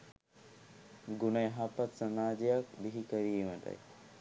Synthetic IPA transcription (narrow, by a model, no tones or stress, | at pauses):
ɡunəjɦapat̪sɐmaːd͡ʒijakbiɦikəɾiːməd̪a̰j